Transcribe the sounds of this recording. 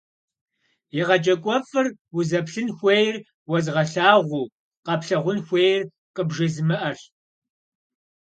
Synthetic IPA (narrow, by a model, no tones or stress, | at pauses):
jiʁɐt͡ʃʼɐkʷʼɔfɨrwʊzɐpɬɨnxʷejr | wɔzʁɐɬaːʁʷuː | qɐpɬɐʁʷʊnxʷejr | qəbʒɐzmɨʔɐr